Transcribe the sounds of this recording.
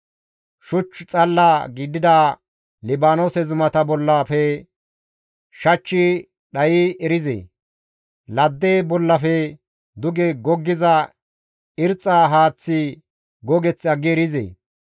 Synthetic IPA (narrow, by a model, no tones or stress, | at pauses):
ʃʊt͡ʃːt͡sʼɐlːaːɡiːd̪ɪd̪aː | lɪbaːnoːsɛzʊmɐt̪ɐbɔlːaːfɛ | ʃɐt͡ʃːɪ | ɗɐjɪɛɾɪzḛː | lɐd̪ːeːbɔlːɐfɛ | d̪ʊɡɛɡɔɡːɪzɐ | ɪɾt͡sʼːaːɦaːt͡sːɪ | ɡɔɡɛt͡sːɐɡːɪɾɪzḛː